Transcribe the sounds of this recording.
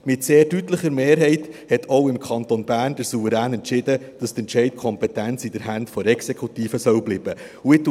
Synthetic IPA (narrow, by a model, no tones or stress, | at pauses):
mɪtseːɾdytləχəɾmeːɾɦɛɪthɛtʰoʊɪmkʰɑnt̪onbæːrnd̥əɾsuvəɾæːnɛntt͡ʃɪd̪əd̥ɑst̪ɛnt͡ʃɛɪt̚kʰɔmpɛtænt͡sid̪əɾɦæntfɔɾɛksekʰut̪iːfəsœwbliːb̥ə | ʊɪt